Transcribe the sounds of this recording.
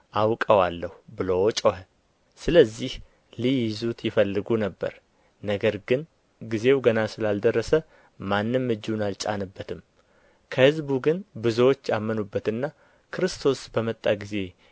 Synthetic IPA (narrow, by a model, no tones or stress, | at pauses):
ʔawkʼəwalːəhbɨlowt͡ʃʼohə | sɨləzːih | lijɪzut̪jɪfəlːɨɡunəbːə̰ɾ | nəɡəɾɡɨn | ɡize̞wɡənasɨlald̪ərːəsə | manːɨmːɨd͡ʒːunalt͡ʃʼa̰nɨbːət̪ʰɨm | kʰəhɨzbuɡɨnbɨzəwot͡ʃːamːənubːət̪ɨnːa | kʰɨɾɨst̪ʰo̞sbəmət̪ʼːaɡize̞